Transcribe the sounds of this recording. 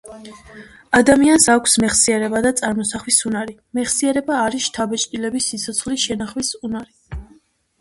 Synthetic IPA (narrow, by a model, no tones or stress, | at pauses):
ad̪amiansakʷʰsmɛχsiɛɾɛbad̪at̪sʼaɾmɔsaχwisunaɾimɛχsiɛɾɛbaːɾisʃt̪ʰabɛt͡ʃʼt̪ʼilɛbisːit̪sʰɔt̪sʰχliʃɛnaχwisunaɾi